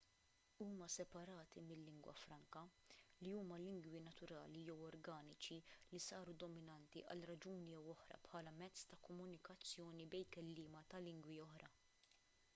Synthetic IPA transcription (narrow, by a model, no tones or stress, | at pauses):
uːmɐsɛpɐɾɐːt̪imɪlːɪŋɡwɐ̰fɾɐŋkɐ | liuːmɐlɪŋɡwinɐt̪ʊɾɐ̰ːlijɛwɔɾɡɐːnɪt͡ʃilisɐːɾud̪ɔmɪnɐnt̪iʔɐ̰lɾɐd͡ʒuːnijɛwɔħɾɐ̰pħɐːlɐmɛt͡sːt̪ɐkɔmːʊnɪkɐt͡sːjɔːnibɛjkɛlːɪːmɐt̪ɐlɪŋɡwiɔħɾɐ